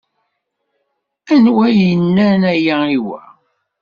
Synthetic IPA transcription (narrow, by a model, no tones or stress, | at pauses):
ænwæjənːænæjæiwæ̰